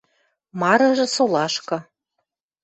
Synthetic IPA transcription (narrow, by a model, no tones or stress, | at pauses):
mɑɾɤ̆ʒɤ̆solɑʃkɤ̆